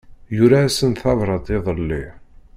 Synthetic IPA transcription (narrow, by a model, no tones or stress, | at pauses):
jʊɾasənθɑvɾˤɑd̪ˤeðˤəlːi